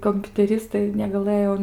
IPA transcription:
koːmʲpʲʊtʲɛˈrʲɪstɐɪ nʲɛɡɐˈlˠɘjoː

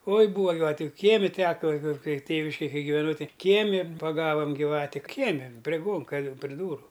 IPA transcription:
oːɪ ˈbuːʋɐ ɡʲɪˈʋɑːtʲʊ ˈkʲiɛmʲɪ ˈtʲæːkɐ kɐɪ kɐɪ ˈtʲeːʋʲɪʃʲkʲeːj ˈkɐɪ ɡʲɪʋʲɛˈnɐʊ ˈtɐɪ ˈkʲiɛmʲɪ pɐˈɡɑːʋɐm ɡʲiːˈʋɑːtʲɪ ˈkʲiɛmʲɪ pʲrʲeː ˈɡoːŋkɐ pʲrʲɪ duːrʊ

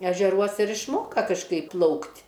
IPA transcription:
ɛʒʲɛˈruɔs ɪr ɪʃˈmoːkɐ kɐʃˈkɐɪp ˈplˠɐʊktʲ

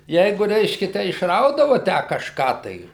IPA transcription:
ˈjɛɪɡʊ rʲɛɪʃʲkʲɛ ˈtʲæː ɪʃˈrɐʊdɐʋʊ ˈtʲæː kɐʃˈkɑː tɐɪ

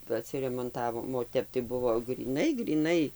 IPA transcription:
ɐtʲsʲɪrʲɛmoːnˈtɑːʋoːm oː ˈtʲɛp tɐɪ ˈbʊʋoː ɡrʲiːˈnɐɪ ɡrʲiːˈnɐɪ

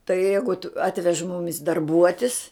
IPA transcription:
tɐɪ ˈjɛɪɡʊt ˈɑːtʲʋʲɛʃ ˈmʊmʲɪs dɐrˈbuɔtʲɪs

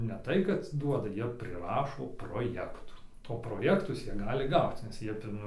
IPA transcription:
nʲɛ ˈtɐɪ kɐt ˈduɔdɐ ˈjiɛ pʲrʲɪˈrɑːʃoː proːˈjæːktuː oː proːˈjæːktʊs ˈjiɛ ˈɡɑːlʲɪ ˈɡɐʊt͡s nʲɛs ˈjiɛ ˈfʲɪn

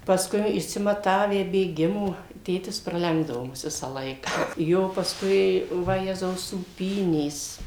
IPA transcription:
pɐsˈkʊɪ ɪʃʲsʲɪmɐˈtɑːʋʲæː bʲeːˈɡʲɪmoː ˈtʲeːtʲɪs prɐˈlʲɛŋɡdɐʋoː ˈmʊs ˈʋʲɪsɑː ˈlˠɐɪkɐ ˈjoː pɐsˈkʊɪ ʋɐˈjæːzɐʊ suːˈpʲiːnʲeːs

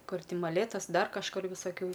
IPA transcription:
ˈkʊr ˈtʲɪ mɐˈlʲeːtɐs ˈdɐr kɐʃˈkʊr ʋʲɪsɐˈkʲuː

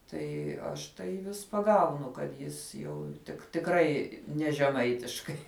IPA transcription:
ˈtɐɪ ˈɐʃ tɐɪ ʋʲɪs pɐˈɡɐʊnʊ kɐt ˈjɪs jɛʊ tʲɪk tʲɪkˈrɐɪ ˈnʲɛ ʒʲɛˈmɐɪtʲɪʃkɐɪ

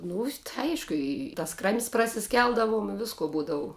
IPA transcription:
ˈnʊ tɐɪ ˈɐɪʃkʊ ˈɪ tɐs krɐmʲsʲ prɐsʲɪˈsʲkʲɛlˠdɐʋʊm ɪ ˈʋʲɪskoː ˈbuːdɐʋʊ

